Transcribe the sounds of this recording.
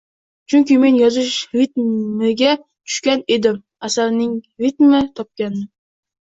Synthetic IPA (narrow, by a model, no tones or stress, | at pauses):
t͡ʃʰʊŋʲkʲɪme̞njɒzɪʃɾit̪mɪɡʲa | t̪ʰʊ̥ʃkʲane̞d̪ɪm | asaɾnɪŋɾit̪mɪt̪ʰɒp̚kʲanɪ